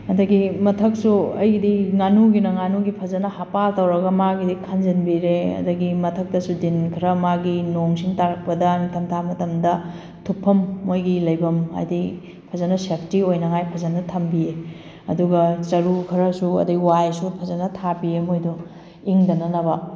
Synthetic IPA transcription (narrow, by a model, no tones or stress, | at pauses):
ɐdɐɡimɐtʰɐk̚suɐjɡdiŋanuɡinɐŋanuɡipʰɐzɐnɐhapatɐwɾɐɡɐmaɡidikʰɐnd͡ʒɐnbiɾeɐ̰dɐɡimɐtʰɐk̚tɐsudinkʰɐɾɐmaɡinoŋsiŋtaɾɐk̚pɐdɐnitʰɐmtʰamɐtɐmdɐ | tʰupʰːɐmːojɡilɐjbɐmɦa̰jdi | pʰɐzɐnɐsepʰtiojnɐŋajpʰɐzɐnɐtʰɐmbie | ɐduɡɐt͡ʃɐɾukʰɐɾɐsuɐ̰dɐɡiwajsupʰɐzɐnɐtʰapiemojdu | iŋdɐnɐnɐbɐ